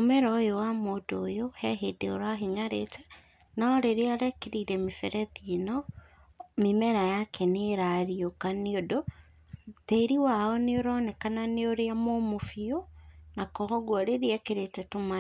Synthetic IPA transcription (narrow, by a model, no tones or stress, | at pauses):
umɛɾɔojowamodojohɛɦedeoɾaɦiɲaɾḛtɛ | naɾeɾeaɾɛkeɾiɾɛmifɛɾɛðienɔ | mimɛɾajakʰɛneɾaɾiokaneodo | teɾiwaɔneoɾɔːnɛkananeoɾeamomufionakɔhɔɡwɔɾeɾiɛkeɾetɛtoma